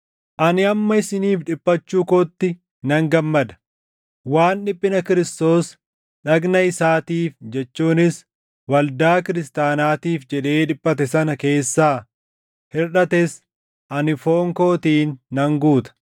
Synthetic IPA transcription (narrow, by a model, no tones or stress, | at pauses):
ʔɐnɪɐmːɐɪsɪniːfᶑɪpʼːɐt͡ʃːuːkot̪ːɪ | nɐŋɡɐmːɐd̪ɐ̥ | waːnᶑɪpʼːɪnɐkɪɾɪst̪o̞ːs | ᶑɐɡnɐɪsaːt̪iːfd͡ʒɛt͡ʃːuːnɪs | wɐld̪aːkɪɾɪst̪aːnaːt̪iːfd͡ʒɛᶑe̞ːᶑɪpʼːɐt̪ɛsɐnɐke̞ːsːaː | hɪɾᶑɐt̪ɛs | ʔɐnɪfoːŋko̞ːt̪iːnːɐŋɡuːt̪ɐ̥